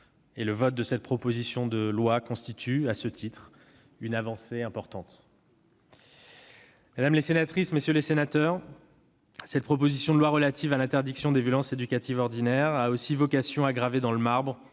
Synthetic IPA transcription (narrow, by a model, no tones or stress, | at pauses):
eləvɔt̪̚d̪əsɛt̪̚pχɔpozisjɔ̃d̪əlwakɔ̃st̪it̪ʰyasət̪ʰit̪χ | ynavɑ̃seɛ̃pɔʁt̪ɑ̃t̪ | mad̪amlesenat̪χismesjølesenat̪œʁ | sɛt̪̚pχɔp̬ozisjɔ̃d̪əlwaʁəlat̪ʰivalɛ̃t̪ɛʁd̪iksjɔ̃d̪evjɔlɑ̃sed̪ykat̪ivɔʁd̪inɛʁaosivɔkasjɔ̃aɡʁaved̪ɑ̃ləmaʁbʁ